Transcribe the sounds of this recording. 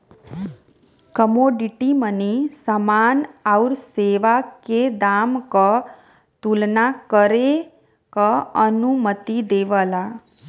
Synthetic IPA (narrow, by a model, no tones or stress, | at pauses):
kəmoɖiʈimənisəmanaɾseʋaked̪amkə | t̪ulnakəɾe | kəənumət̪id̪eʋəla